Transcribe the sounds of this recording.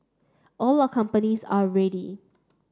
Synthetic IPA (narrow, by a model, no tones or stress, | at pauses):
ʔɔlakʰʌ̃mpənizaɹɛɾi